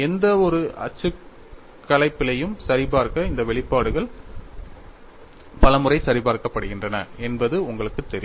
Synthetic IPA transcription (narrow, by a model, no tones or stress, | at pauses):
ɛnd̪ɐɔɾɯʔɐ̰t͡ʃːɯ | kːɐlɐɪpːɪlɐjɯmsɐɾɪpaːɾkɐɪnd̪ɐʋɛɭɪpːaːɽɯɣɐɭ | pɐlɐmɯrɐɪsɐɾɪpaːɾkɐpːɐɽɯɣɪndrɐnɐɛnbɐðɯʊŋɡɐɭɯkːɯt̪ːɛɾɪ